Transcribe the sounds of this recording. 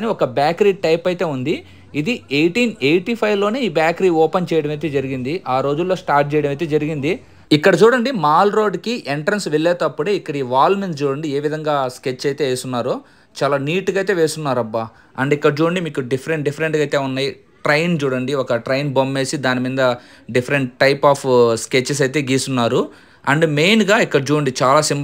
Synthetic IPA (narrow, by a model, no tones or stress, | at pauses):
niɔkɐbjaːkɐɾiːʈɐjpɐjt̪e̞ːund̪i | id̪iejʈiːnejʈiːpʰɐjʋlo̞ːne̞ːiːbjaːkɐɾiːɔːpɐnt͡ʃɛːjɐɽɐmɐt̪eːd͡ʒɐɾiɡind̪iʔaːɾo̞ːd͡ʒulːo̞ːsʈaːɾʈ̚t͡ʃɛːjɐɽɐmɐjt̪ed͡ʒɐɾiɡind̪i | ikːɐɽɐt͡ʃuːɽɐɳɖimaːlɾo̞ːɖkiʔeɳʈɾɐnsʋelːɛːt̪ɐpːuɽeːikːɐɽɐiːʋaːlmenst͡ʃuːɽɐɳɖie̞ːʋid̪ʱɐŋɡaːsket͡ʃːɐjt̪e̞ːʋeːsunːaːɾo | t͡ʃaːlaːniːʈuɡɐjt̪̬e̞ːʋeːsunːaːɾɐbːa | ɐɳɖikːɐɽɐt͡ʃuːɽɐɳɖimiːkuɖipʰɐɾeɳʈɖipʰɐɾeɳʈɡɐjt̪eːunːaːji | ʈɾɐjnt͡ʃuːɽɐɳɖiɔkɐʈɾɐjnbomːe̞ːsid̪aːnimind̪ɐ | ɖipʰɐɾeɳʈ̚ʈːɐjpaːpʰsket͡ʃːɐs̬ɐjt̪̬eːɡiːsunːaːɾu | ɐɳɖmejnɡaːikːɐɽɐt͡ʃuːɐɳɖit͡ʃaːlaːsim